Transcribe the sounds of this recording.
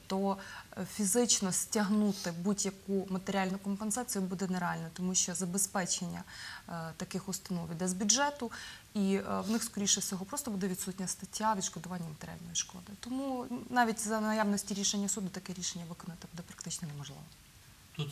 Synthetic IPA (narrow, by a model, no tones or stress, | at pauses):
t̪ɔfʲizɪt͡ʃnɔsʲtʲɐɦnut̪ɪbudʲjɐkumɐt̪eɾʲialʲnʊkɔmpensɑt͡sʲijʊbud̪ɛneɾeɑlʲnɛt̪ɔmuʃt͡ʃɔzɐbespɛt͡ʃenʲːɐ̰t̪ɐkɪxʊst̪ɐnɔʋʲid̪ɛzbʲudʒɛt̪ʊiʋnɪxskɔɾʲijʃɛfsʲɔɦɔpɾɔst̪ɔbud̪ɛʋʲid̪sutʲnʲɐst̪ɐtʲʰːaʋʲid̪ʃkɔd̪ʊʋɑnʲːɐmɐt̪eɾ̰ʲa̰lʲnɔjiʃkɔ̰d̪ɪt̪ɔmunɑʋʲitʲzɐnɐjaʋnɔsʲtʲiɾʲiʃenʲːɐsud̪ʊt̪ɐkɛɾʲiʃenʲːɐʋɪkɔnɐt̪ɪbud̪ɛpɾɐ̥k̚t̪ɪt͡ʃnɔnɛmɔʒlˠɪ̰ʋɔ